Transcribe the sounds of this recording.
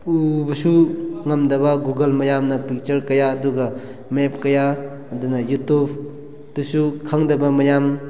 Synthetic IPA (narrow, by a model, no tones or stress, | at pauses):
ubɐsuŋɐmdɐbaɡuɡɐlmɐjamnɐpik̚t͡ʃɐɾkɐjaːduɡɐ | mep̚kɐjaː | dunɐjutupʰ | dusukʰaŋdɐbɐmɐjam